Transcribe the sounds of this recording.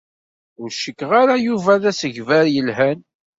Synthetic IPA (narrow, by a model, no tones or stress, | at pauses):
ʊɾʃəkːʁaɾajuvæðæsəʝvæɾjəlɦæn